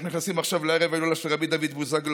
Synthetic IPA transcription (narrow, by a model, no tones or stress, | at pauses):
nuniχnasimaχʃavleeevajlolaʃelʁabid̪avid̪buzaɡl